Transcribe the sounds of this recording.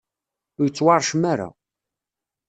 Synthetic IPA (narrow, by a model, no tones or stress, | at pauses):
ʊjət͡sːwɑɾˤʃmaɾa̰